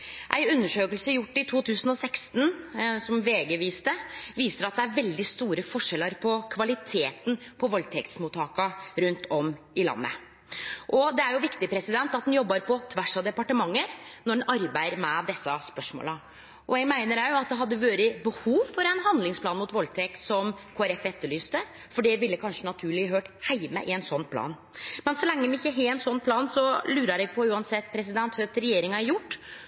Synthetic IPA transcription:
ʔæ̰ɪʉnːəʂøːkəlsəjʊʈːɪt̪ʰuːt̪ʰʉːsənɔsɛkst̪n̩sɔmʋeːɡəʋiːst̪əʋiːsəɾɑt̪̚d̪ɛæɾʋɛld̪ɪst̪uːɾəfɔʂɛlːəɾpʰɔkʰʋɑlɪt̪ʰeːt̪n̩pʰɔʋɔlt̪ʰɛkt̪smuːt̪ʰːɑːkɑɾʉnt̪ʰɔm | ɪlɑ̰nːə̰ | ʔɔd̪ɛæɾjʊʋɪkt̪ɪpʰɾɛsɪd̪ɛnt̪ɑt̪̚d̪ɛnjɔbːəɾpʰɔt̪ʰʋæʂɑd̪ɛpɑʈəmɑŋːəɾnɔɖɛnʔɑɾbæɪəɾmɛd̪ɛsːɑspœʂmo̰ːlə | ʔɔɛɡmæɪnəɾæɾjʊɑt̪̚d̪ɛɦɑd̪ːəʋoːɾəbəhuːʋfɔɾɛnɦɑnd̪lɪŋspʰlɑːnmʊt̪ʋɔlt̪ʰeːksɔmkʰoːæɾɛfɛt̪ːəɭyːst̪ə | fɔɖɛʋɪlːəkʰɑnʂənɑt̪ʰʉːɭɪɦøːʈhæɪmə̰ʔɪɛnsɔnːpʰlɑ̰ːn | mɛnsɔlɛŋːəd̪nɪçːəɦeɛnsɔnːpʰlɑːnsɔlʉːɾəɾɛɡpʰɔʉːɑnsɛt̪ːpʰɾɛs̬ɪd̪ɛnt̪hʉt̪ɾɛjeːɾɪŋɑæɾjʊʈː

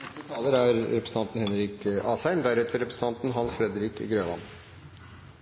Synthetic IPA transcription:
ət̪ʰɑːləɾæɾɾɛpɾsn̩t̪ɑnt̪n̩hɛnɾiːkɑːsæɪmd̪æɾɛt̪ʰəɾɛpɾəsən̩t̪ɑnt̪n̩ɦɑnsfɾɛd̪əɾiːkɡɾøːʋɑ̰n

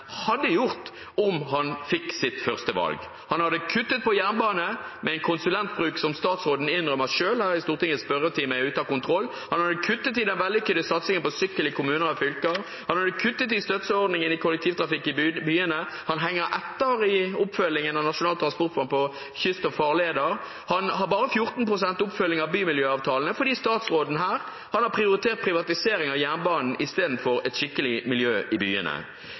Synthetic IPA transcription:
hɑd̪ːəjʊʁt̪ | ɔmɦɑnfɪkːsɪt̪fœʁst̪əʋɑ̰lɡ | hɑnhɑd̪ːəkʰʉt̪ːət̪̚pɔjæʁnbɑːnəmɛɛɪnkʰʊnsʉlɛnt̪̚bʁʉːksɔmst̪ɑːt̪sʁoːd̪n̩ɪnːʁœməʂøːlhæːʁɪst̪uːʁt̪ɪŋət̪spœɾət̪ʰɪmæɪʉːt̪ɑkʊnt̪ʰʁɔlː | hɑnhɑd̪ːəkʰʉt̪ːət̪ɪd̪ɛnʋɛld̪ɪkʏd̪əsɑt̪sɪŋənpɔsʏkːəlɪkʰʊmʉːnəʁɔfʏlkəʁ | hɑnhɑd̪ːəkʰʉt̪ːət̪̬ɪst̪œt̪səɔʁd̪nɪŋənɪkʰʊlːɛk̚t̪ʰiːʋt̪ʰɾɑfɪkːɪbyːənə | hɑnɦɛŋːəɾʔɛt̪ːəʁɪʊpfœlːɪŋənɑʋnɑʂʊnɑːlt̪ɾʁɑnspɔʁt̪̚bɑnpɔ | çʏst̪ɔfɑːʁleːd̪əʁ | hɑnhɑbɑːʁəfjʊʁt̪n̩pʁʊsɛnt̪ʊpfœlːɪŋɑʋbyːmɪljøːɑːʋt̪ʰɑːln̩əfɔɾd̪iːst̪ɑːt̪sʁoːd̪n̩ɦæːʁ | hɑnhɑpʰʁɪʊʁɪt̪ʰeːʁt̪̚pʰʁɪʋɑt̪ɪseːɾɪŋɑʋjænbɑːnn̩ɪst̪eːd̪n̩fɔɾɛt̪ʃɪkːəlɪmɪljøːʔɪby̰ːə̰nə̰

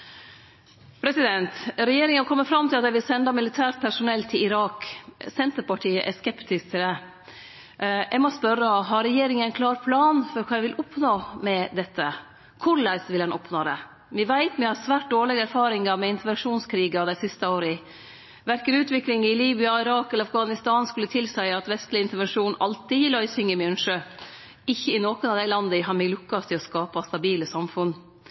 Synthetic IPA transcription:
pʰɾɛsɪd̪ɛnt̪ɾɛjeːɾɪŋənkʰɔmːəfɾɑmt̪ʰɪlɑt̪d̪æɪʋɪlsɛnd̪ɑmɪlɪt̪ʰæːɾʈ̚pʰæʂʊnɛlt̪ʰɪlɪɾɑːksɛnt̪əɾpɑʈʰiːəʔɛskɛpt̪ɪsk̚t̪ʰɪld̪ɛ | jʔɛɡmɔspœɾːəɔɦɑɾːɛjeːɾɪŋənæɪnkʰlɑːɾpʰlɑːnfɔɾkʰɑːɛʋɪlʔʊpnoːmɛd̪ɛt̪ʰːə | kʰʊɭæɪsʋɪlhɑnʔɔpnoːd̪ɛ̰ | mɪʋæɪt̪mɪhɑsʋæːʈ̚d̪oːɭɪɡəæɾfɑːɾɪŋɑɾmɛɪnt̪əɾʋɛnʂuːnskʰɾiːɡɑd̪æɪsɪst̪əoːɾə | ʋæɾkəɾʉːt̪ʋɪklɪŋɪliːbɪɑɪɾɑːkɛlːəɑfɡɑːnɪst̪ɑːnskʉlːət̪ʰɪlsæɪɑt̪ʋɛst̪lɪɪnt̪əɾʋɛnʂuːnʔɑlt̪ɪjɪlɔɪsʏŋːəmjœnʂø | ɪçːəɪnoːkʊnɑʋd̪æɪlɑnd̪əɪɦɑɾmɛɡlʉkːɑst̪ʰɪlɔskɑːpɑst̪ɑbiːləsɑmfʉnː

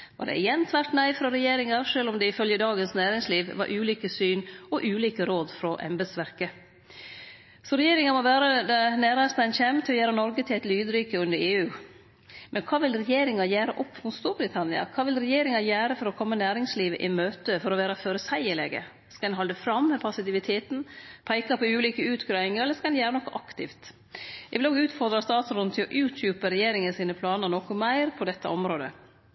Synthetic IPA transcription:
ʋɑ̰ɖɛ̰ɪjɛnt̪ʰʋæɾʈnæɪfɾɔɾɛjeːɾɪŋɑɾʂøːlɔmd̪ɛɪfœljəd̪ɑːɡənsnæːɾɪŋsliːʋʋɑ̰ɾʔʉːliːkəsyːnɔʔʉːliːkəɾoːd̪fɾɔʔɛ̰mbɛd̪sʋæɾkə | sɔɾɛjeːɾɪŋɑmɔʋæːɾəd̪ɑnæːɾɑst̪æɪnçɛmt̪ʰɪlɔjæːɾɑnɔɾɡət̪ʰɪlɛt̪lyːd̪ɾʏkəʉnd̪əɾeːʉː | mʔɛnkʰɑːʋɪlɾɛjeːɾɪŋɑjæːɾəʔɔpːfmʊnst̪uːɾbɾɪt̪ʰɑnɪɑ̰kʰɑːʋɪlɾɛjeːɾɪŋɑjæːɾəfɔɾɔkʰɔmːənæːɾɪŋsliːʋə̰ʔɪmøːt̪əfɔɾɔʋæːɾɑføːɾəsæɪəlḛːɡə̰ | skɑd̪ɛnɦɑld̪əfɾɑmhəpʰɑsɪt̪ɪʋɪt̪ʰeːt̪n̩pʰæɪkɑpʰɔʉːliːkəʉːt̪ɡɾɑːɪŋəɾɛlːəskɑd̪ɛnjæːɾənɔkːɔʔɑkt̪ɪ̰ft̪ | æɪʋɪloːɡʉːt̪fɔɾd̪ɾɑst̪ɑːt̪sɾɔnn̩t̪ʰɪlɔʔʉːt̪ʰjʉːpəɾɛjeːɾɪŋənsiːnəpʰlɑːnəɾnɔkʊmæɪɾpʰɔd̪ɛt̪ʰːəʔɔmɾoːd̪ə̰

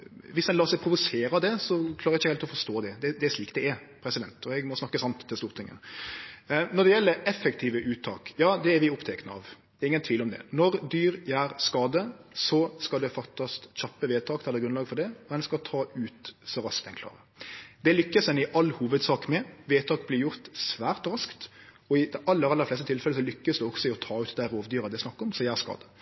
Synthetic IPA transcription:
ʋɪsd̪ɛnɑːɾsɛɪpʰɾʊʋʊseːɾɑd̪ɛsɔkʰlɑɾɪçːəhɛlt̪ɔfɔɾʂt̪oːd̪ɛd̪ɛd̪ɛæɾʂliːkt̪̚d̪ɛæɾ | pʰɾɛsɪd̪ɛnt̪ʰɔɛɡmɔsnɑkːəsɑmt̪ʰːɪlst̪uːɾt̪ɪŋːə̰n | nɔd̪ɛjɛlːəɾɛfːɛkt̪ʰiːʋəʔʉːt̪ʰːɑ̰ːkjɑːd̪ɛæɾʋɪʊpt̪ʰɛknəɑ̰ʋd̪̥ɛɾɪŋənt̪ʰʋiːlɔmd̪ɛ̰nɔɾd̪yːɾjæːɾskɑːd̪əsɔskɑld̪ɛfɑkt̪ɑst̪çɑpːəʋeːt̪ʰɑːk̪ɛlːəɾɡɾʉnɑːɡfɔɾd̪ɛɔd̪ɛnskɑt̪ʰɑːʔʉːt̪sɔɾɑskd̪ɛnkʰlɑ̰ːɾə | d̪ɛlʏkːəsɛnɪʔɑlːhuːʋəd̪sɑːkmɛʋeːt̪ʰɑːkblɪɾjʊɾt̪sʋæːɾt̪ɾɑskt̪ | ɔɪd̪ɛʔɑlːəɾɑlːəɾflɛst̪ət̪ɪlfɛləsɔlʏkːəsd̪ɛɔɡsɔɛɪɔt̪ʰɑːʉːt̪d̪æɾoːʋd̪yːɾɑd̪ɛɪsnɑkːɔmsɔjæːɾskɑ̰ːd̪ə

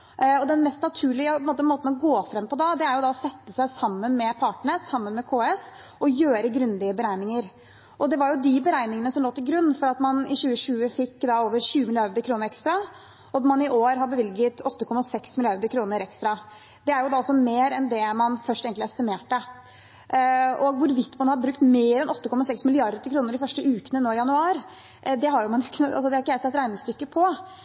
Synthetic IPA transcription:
ɔd̪ɛnmɛst̪nɑt̪ʰʉːɭɪəpʰɔnmoːt̪əmoːt̪n̩ɔɡoːfɾɛmpʰɔd̪ɑd̪ɛæɾjʊd̪ɑɔsɛt̪ːəsæɪsɑmːənmɛpʰɑʈɳəsɑmːənmɛkʰoːɛs | ɔjøːɾəɡɾʉnd̪ɪəbəɾæɪnɪŋəɾ | ʔɔd̪ɛʋɑɾjʊd̪ɪbəɾæɪnɪŋənəsɔmloːt̪ʰɪlɡɾʉnːfɔɾɑt̪mɑnɪɕʉːəʂʉːəfɪkːd̪ɑoːʋəɾɕʉːəmɪlɪɑɾd̪əɾkʰɾuːnəɾɛkst̪ɾɑ | ɔmɑnɪʔoːɾɦɑɾbəʋɪlɡət̪ʰɔt̪ːəkʰɔmːɑsɛksmɪlɪɑɾd̪əɾkʰɾuːnəɾɛkst̪ɾɑ | d̪̥ɛæɾjʊd̪ɑːɔlsɔmeːɾɛnd̪ɛmɑnfœʂʈɛːɡnt̪lɪɛst̪ɪmeːʈːə | ɔɡʋʊɾʋɪt̪ːmɑnhɑd̪bɾʉkt̪meːɾɛnɔt̪ːəkʰɔmːɑsɛksmɪlɪɑɾd̪əɾkʰɾuːnəɾɖɪfœʂʈəʉːkənənoːɪjɑnʉɑːɾ | d̪ɛɦɑɾjʊmɑnjʊɪkʰːnəɑ̰ls̬ɔd̪ɛæɾɪkːəjæɪsɛt̪ɾæɪnɪŋst̪ʏkːəpʰɔ

